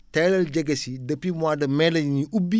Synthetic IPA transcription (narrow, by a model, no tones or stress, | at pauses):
tɛlɐlɟɐɡɐsidɐpːimwaːdɐmɛlɐɲɲiubːi